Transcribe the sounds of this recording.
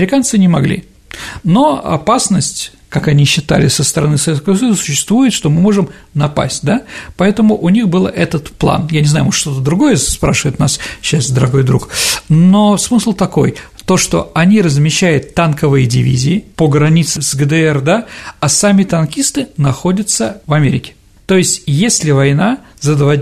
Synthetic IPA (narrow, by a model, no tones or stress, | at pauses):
ɐɪɾʲɪkant̪sɨnʲɪmɐɡlʲḭ | no̞ɐ̰pasnəsʲtʲ | kakɐnʲiɕːɪt̪a̰lʲɪsːəst̪əɾɐnɨsɐvʲekəvəs̬ɐjuzəsʊ̥ɕːɪ̥st̪vujɪt̪ʂt̪o̞mɨmo̞ʐɨmnɐpa̰sʲt̚ʲd̪apɐɛt̪əmʊʔʊnʲixbɨlˠɛt̪ət̪plˠa̰njanʲɪznajʊmoʂʂt̪o̞t̪əd̪ɾʊɡo̞jəspɾaʂɨvəjɪt̪nasɕːasd̪əɾɐɡo̞jd̪ɾukno̞smɨslˠt̪ɐko̞̰jt̪o̞ʂt̪o̞̰ɐnʲiɾəzmʲɪɕːæjʊt̪ːankəvɨjədʲɪvʲḭzʲɪːpəɡɾɐnʲit̪sɨsɡəd̪ɛɛrd̪aɐsamʲɪt̪ɐnkʲist̪ɨnɐxo̞dʲət̪səvɐmʲeɾʲɪkʲɪ̥ | t̪o̞jɪsʲtʲjesʲlʲɪvɐjna | zəd̪va